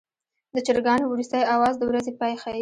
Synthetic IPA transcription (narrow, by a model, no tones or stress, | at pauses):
d̪ət͡ʃɪɾɡɑnowɾust̪əjawɑzd̪əwɾazepɑjxa